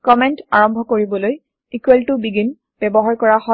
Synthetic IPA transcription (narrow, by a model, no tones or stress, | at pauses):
kɔmɛnta̰ɹɔmbʱɔkoɹibɔloj | ikwɛltʊbiɡin | b̥ɛbɔɦaɹkɔɹahɔ